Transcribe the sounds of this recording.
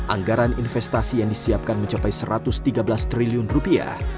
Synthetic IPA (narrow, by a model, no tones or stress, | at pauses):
ʔa̰ŋɡaɾaninfɛst̪asijaŋdisiap̚kanməɲt͡ʃapajsəɾat̪ʊst̪iɡabəlast̪ɾiliʊnrupia̰h